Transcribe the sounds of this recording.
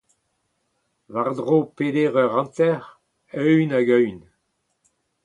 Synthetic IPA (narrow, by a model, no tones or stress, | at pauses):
vaʁd̪ʁoped̪eʁœʁɑ̃nt̪ɛʁ | œɥnaɡœɥn